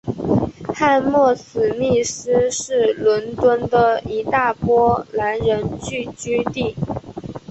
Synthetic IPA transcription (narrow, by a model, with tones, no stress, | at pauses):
xa˥˧nmwɔ˥˩sɹ̩˨˩ni˥˩ʂ̩˥ʂɻ̩˥˩lwə˧˥nt̪wə˥nd̪ə˨i˧˥t̪a˥˩pwɔ˥la˧˥nɻə˧˥nt͡ɕy˥˩t͡ɕy˥t̪i˥˩